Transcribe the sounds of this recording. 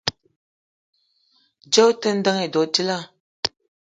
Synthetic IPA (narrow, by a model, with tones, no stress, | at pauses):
d͡ʒo˦tə˦n̩˦də˦ŋe˨dɔ˨ti˦la˦˨